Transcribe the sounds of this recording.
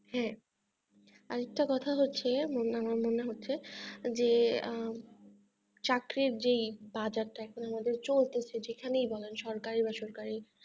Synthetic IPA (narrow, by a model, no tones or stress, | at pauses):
ɦɛ̃ | aɾɛk̚ʈakɔt̪ʰaɦotːɕʰemonamaɾmoneɦotːɕʰed͡ʑe | t͡ɕakɾiɾd͡ʑejbad͡ʑaɾʈaɛkʰonamad̪eɾt͡ɕolt̪et͡ɕʰed͡ʑekʰanejbɔlenʃɔɾkaɾibaʃɔɾkaɾi